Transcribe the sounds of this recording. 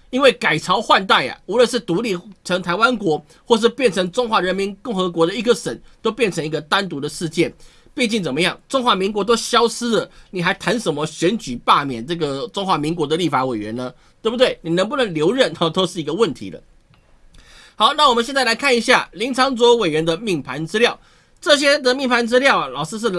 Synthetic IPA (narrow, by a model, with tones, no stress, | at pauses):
i˥nwe˥˩ɪka˨˩ɪʈ͡ʂʰɑ˧˥ʊxwa˥˧nt̪a˥˩ɪɐ̰˩u˧˥lwə˥˧nʂ̬ɻ̩˥˩t̪u˧˥li˥˩t͡sʰɤ˧˥ŋt̪ʰa˧˥ɪwa˦nkwɔ˧˥ | xwɔ˥˧ʂ̬ɻ̩˥˧pjɛ˥˩nʈ͡ʂʰɤ˧˦˥ŋʈ͡ʂʊ˥ŋxwa˧˥ɻə˧˥nmi˧˥nkʊ˥˩ŋxɤ˧˥kwɔ˧˥ɾə˧i˧˥ɡə˨ʂə˨˩nt̪o˥ʊpjɛ˥˩nʈ͡ʂʰə˧˥ŋi˧˥ɡə˧t̪a˥nt̪u˧˥d̪ə˨ʂɻ̩˥˧t͡ɕjɛ˥˩n | pe˥˧t͡ɕi˥˩ŋt͡sə˨˩mə˦jɑ˥˩ŋʈ͡ʂʊ˥ŋxwa˧˥mi˧˥ŋk̬wɔ˧˥t̪̬o˥ʊɕjɑ˥ʊsɹ̩˥lə˨˩ni˨˩xa˧˥ɪt̪ʰa˧˥nʂə˧˩nmə˦ɕɥɛ˧˥nt͡ɕy˨˩pa˥˨mjɛ˨˩˦nʈ͡ʂɤ˥˩ɡə˩ʈ͡ʂʊ˥ŋxwa˧˥mi˧˥ŋkwɔ˧˥d̪ə˧li˥˩fa˧˥we˨˩ɪɥɛ̰˧˦nə˦ | t̪we˥˩bu˩t̪we˥˩ɪni˨˩nə˧˦ŋp̬u˥˩nə˧˥ŋljo˧˥ʊɻə˥˩nɔ˨˩t̪o˥ʊʂɻ̩˥˩i˧˥ɡə˧wə˥˨˩nt̪ʰḭ˧˥d̪ə̰˧ | hɑ˧˥ʊna˥˩wɔ˨mə˦nɕjnt͡sa˥˩ɪla˧˥ɪkʰa˥˩ni˧˥ɕja̰˥˩li˧˥ŋt͡sʰɑ˧˥ŋt͡swɔ˧˥we˨˩ɪɥɛ˧˥nd̪ə˧mi˥˩ŋpʰa˧˥nt͡sɹ̩˥ljɑ˥˩ʊ | ʈ͡ʂɤ˥˨˧ɕ̬jɛ˥d̪ə˨mi˥˩ŋpʰa˧˥nt͡sɹ̩˥ljɑ˥˩ʊɐ˨˩lɑ˨˩ʊʂ̩˥ʂ̬ɻ̩˥˩